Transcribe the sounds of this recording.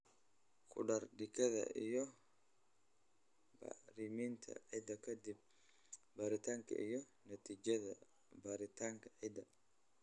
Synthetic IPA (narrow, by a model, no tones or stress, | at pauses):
kʰʊɗɐrɖɪkɐðɐ̰ʔijɔ | ba̰ɾimint̪ʰɐ̰ʕid̪ɐkʰɐd̪ɪb̚ | baːɾɪt̪ʰaːŋkʰɐ̰ʔɪjɔ | nɐt̪ʰiːd͡ʒɐðɐ | baːɾɪt̪ʰaːŋkʰɐ̥ʕid̪ɐ